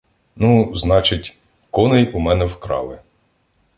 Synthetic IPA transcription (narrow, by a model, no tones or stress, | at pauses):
nuznɑt͡ʃɪtʲ | kɔnejumɛnɛwkɾɑ̰lˠɪ